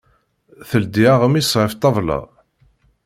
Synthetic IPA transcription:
θəld̪iaʁəmisʁəft̪ˤːɑvˤlɑ̰

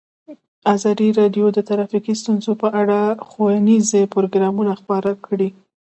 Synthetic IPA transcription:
ɑzɑd̪iɾɑɖjod̪ət̪aɾafikist̪unzopəʔaɽaxowənizepoɾoɡɾɑmunaxpɑɾakɽi

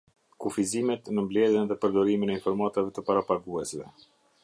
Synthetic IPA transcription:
kufizimɛt̪nəmblɛðjənðɛpəɾd̪ɔɾiminɛinfɔɾmat̪avɛt̪əpaɾapaɡuɛsvɛ̰

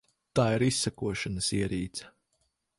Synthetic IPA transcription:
t̪aːiɾisːakuɔʃanəsiɛɾiːt̪sɐ̥

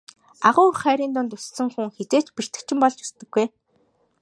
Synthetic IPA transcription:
aʁʊːrχæːɾiːnt̪ʊnt̪ɵssɘ̆ŋxuŋxet͡seːt͡ɕpir̥t̪ɘ̆k̚t͡ɕʰɪ̆mpɔɮt͡ɕɵ̥st̪ɘ̆ɡːuj

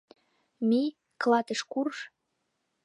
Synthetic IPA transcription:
mi | klɑt̪əʃkurʃ

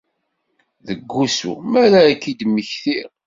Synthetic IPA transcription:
ðəɡːusṵmæɾaːkːid̪məçθiɾ

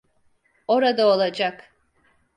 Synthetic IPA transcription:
o̞ɾad̪aolˠad͡ʒak

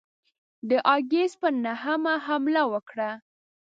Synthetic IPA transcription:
d̪əʔɑɡes̚pənahamaɦamlawəkɽa

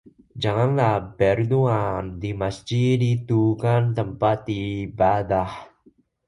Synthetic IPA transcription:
d͡ʒaŋanlahpɛrd̪uandimasd͡ʒidit̪ukant̪əmpat̪ibad̪ah

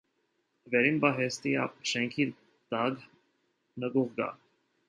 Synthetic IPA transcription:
vɛɾinbɑɦɛst̪iɑ̰ʃɛŋkʰi | d̪̥ɑɡ | nəɡuʁɡɑ̰

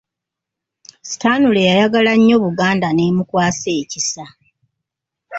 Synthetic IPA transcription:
si̥taːnulejajaɡalaɲːo̞ːβuɡaːndane̞ːmukwaːse̞ːcisa

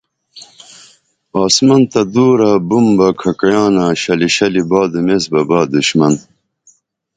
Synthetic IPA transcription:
ɑːsmɐnt̪ɐd̪uːɾaːbumbɐkʰɐkɐjɑːnaːɕɐliɕɐlibɑːd̪umesbɐbaːd̪uɕmɐn

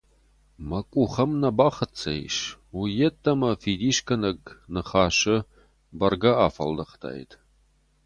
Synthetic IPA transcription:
mɐkʷʼuχɐmnɐbaːχət͡sʰɐ̰j̰ʃujɛtʰʼːɐmɐfid̪iːʃkʰɐnɐɡnɨχaːʃɪ | bɐrɡɐaːfɐ̰ldɐχtʰa̰ːj̰tʰʼ

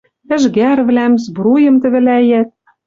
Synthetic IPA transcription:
ɘ̆ʒɡærβlæmzbɾujɤ̆mt̪ɘ̆βɘ̆læjæt̪̚

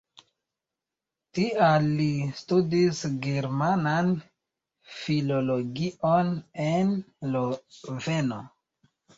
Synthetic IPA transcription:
tialːistudisɡeɾmanan | filo̞lo̞ɡionenlove̞no̰

